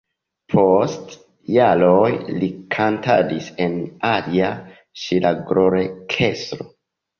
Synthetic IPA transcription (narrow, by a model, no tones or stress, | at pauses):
pʰost | jalojlikʰanta̰disenalia | ʃilaɡɾoɾekʰestɾo